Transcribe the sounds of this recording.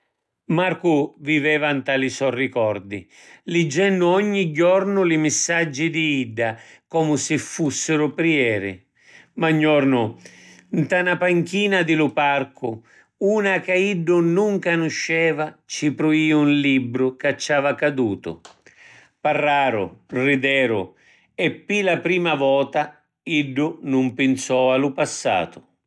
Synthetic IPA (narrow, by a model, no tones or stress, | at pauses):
maɾkʊvivɛːvant̪alisɔrːikɔrd̪ḭ | lɪd͡ʒːɛnːʊɔɲːiɟːɔrnʊlɪmɪsːad͡ʒːid̪iiɖːakɔmʊsɪfːusːɪɾʊpɾiɛːɾɪ̰ | maɲːɔrnʊ | nt̪anapaŋkiːnad̪ɪlʊparkʊ | uːnakaiɖːʊnuŋkanʊʃːɛːvat͡ʃipɾʊiːunlibːɾʊkat͡ʃːaːvakad̪uːt̪ʊ̰ | parːaːɾʊ̰rid̪ɛːɾʊ | ɛpːilapɾiːmavɔːt̪a | iɖːʊnʊmpɪnsɔalʊpasːa̰ːt̪ʊ̥